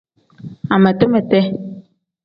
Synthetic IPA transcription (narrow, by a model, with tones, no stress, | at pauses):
a˨mə˨tə˦mɛ˨tɛ˦